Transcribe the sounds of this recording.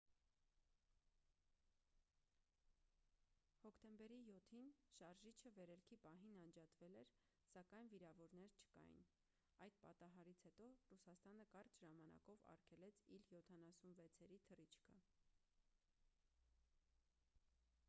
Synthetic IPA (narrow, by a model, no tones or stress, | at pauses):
hɔkʰt̪ɛmbɛɾijɔt̪ʰinʃɑɾʒit͡ʃʰəvɛɾɛlkʰipɑɦinɑnd͡ʒɑt̪vɛlɛɾ | sɑkɑjnviɾɑvɔɾnɛɾt͡ʃʰə̥kɑ̰jḭn | ɑjd̪̥̚pɑ̰t̪ɑɦɑɾit͡sʰhɛt̪ɔrusɑst̪ɑnəkɑrt͡ʃʰʒɑmɑnɑ̰kɔvɑ̰rkʰɛlɛt͡sʰiljɔt̪ʰɑnɑsunvɛt͡sʰɛɾit̪ʰərit͡ʃʰkʰə